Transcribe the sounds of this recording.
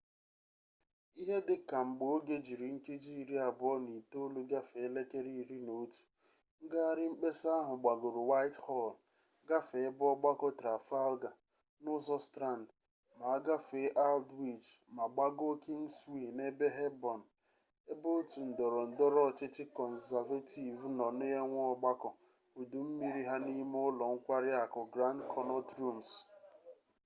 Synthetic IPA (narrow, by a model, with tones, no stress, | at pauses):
i˦ɦe˦dɪ˨ka˨ŋ͡m̩˨ɡ͡bo˨˦ɡe˦d͡ʒi˨ɾi˨ŋ̩˦ke˦d͡ʒi˦i˨ɾi˦a˨bɔ˦ni˨to˦lu˦ɡa˦fe˨˦le˦ke˦ɾi˦˨ɾi˦no˨˦tu̥˨ | ŋ̩˦ɡa˦˨ɾɪ˦ŋ͡m̩˦k͡pe˦sa˦ɦʊ˨ɡ͡ba˨ɡo˨ɾu˨wa˦ɪ˦thɔ˦˨l | ɡa˦fe˨e˦bɔ˦ɡ͡ba˦kɔ˦tɾa˨fa˦lɡa˨ | nʊ˦zɔ˦stɾa˦˨n˨d | ma˨a˦ɡa˦fe˨˦ʔa˦ldwi˦˨d͡ʒma˨ɡ͡ba˦ɡo˦ki˦ŋswi˦˨ne˦be˦ɦe˦bɔ˨n̩˨ | e˦bo˦o˦tu˨n̩˨dɔ˨ɾɔ˨n̩˨dɔ˦ɾɔ˦˨t͡ʃɪ˦t͡ʃɪ˦kɔ˨n̩˨za˨va˦ti˨vnɔ˨ne˦ɦe˦ŋʷ˦ɔ˦ɡ͡ba˦kɔ˨ | u˨du˨m̩˦mi˦ɾi˦ɦa˦ni˦mʊ˦lɔ˨ŋ̩˦kʷa˦ɾɪ˦a˨kɔ˨ɡɾa˦ndkʰɔ˦nɔ˦tɾu˦˨ms